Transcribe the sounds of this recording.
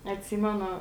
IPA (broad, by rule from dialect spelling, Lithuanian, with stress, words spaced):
ɐtʲˈsʲiːmʲɛnʊ